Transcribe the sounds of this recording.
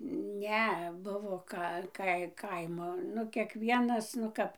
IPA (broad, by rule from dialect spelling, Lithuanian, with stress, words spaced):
ˈnʲɛ ˈbʊʋoː ˈkɐ ˈkɐɪ ˈkɐɪmoː ˈnʊ kʲiɛkˈʋʲiɛnɐs nʊ ˈkɐp